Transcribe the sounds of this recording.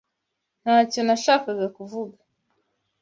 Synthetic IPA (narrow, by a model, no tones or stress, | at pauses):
nat͡ʃɔnaʃakaɡakuvuɡa